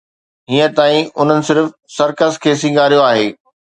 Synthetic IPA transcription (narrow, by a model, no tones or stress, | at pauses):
ɦiːə̃t̪aːĩʊn̤ənɪ̆sɪɾfsɐɾkəskʰeːs̬ĩŋɡaːɾijoaːɦeː